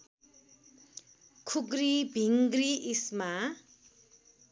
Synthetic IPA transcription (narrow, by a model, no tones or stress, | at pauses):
kʰuɡɾibʱiŋɡriʔisma